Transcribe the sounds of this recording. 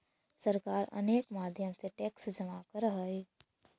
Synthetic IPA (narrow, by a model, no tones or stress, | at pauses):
səɾkaːɾə̰neːkmaːd̪ʱjəmseʈeːksd͡ʒəmaːkəɾɦəeː